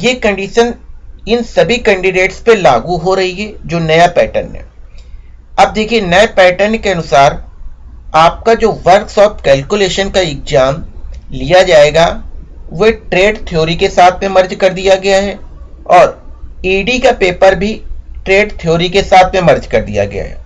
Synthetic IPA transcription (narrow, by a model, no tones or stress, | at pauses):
jeːkɐ̃ɳɖiːʃənɪnsɐbʱikɛ̃ɳɖɪɖeːʈspela̰ːɡuɦoɾɐɦiɦɛd͡ʒoːnɐjapɛ̰ːʈə̰nɦɛ̰̃ | ɐb̚d̪eːkʰienɐepɛːʈəɾnkeɐnʊsaːɾ | aːp̚kad͡ʒoːʋɐɾksɔːpkɛːlkʊleːʃənkaɪk̚d͡ʒaːmlijad͡ʒaːeːɡaʋoʈɾeːɖt̪ʰijoːɾikesaːt̪ʰmẽmɐɾd͡ʒkɐɾd̪ijaɡɐjaɦɛɔːɾiːɖikapeːpəɾbʱiʈɾeːɖt̪ʰijoːɾikesaːt̪ʰmẽmɐɾd͡ʒkɐɾd̪ḭja̰ɡɐ̰ja̰ɦɛ̰